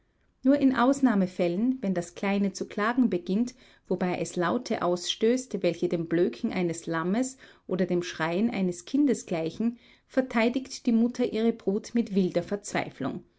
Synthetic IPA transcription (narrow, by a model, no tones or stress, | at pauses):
nuːɐʔɪnʔaʊsnaːməfɛlənvɛndaskl̥aɪnət͡sukl̥aːɡŋ̩bəɡɪnt | v̥obaɪʔɛslaʊtʰəʔaʊsʃtøːstvɛlçədeːmbløːkʰŋ̩ʔa̰ɪnəslaməsʔoːdɐdeːmʃʁ̥aɪənʔa̰ɪnəskʰɪndəsɡ̥laɪçn̩ | fɛɐtʰaɪdɪktd̥iːmʊtʰɐʔiːʁ̞əbʁuːtmɪtv̥ɪldɐfɛɐt͡sv̥a̰ɪflʊ̰ŋ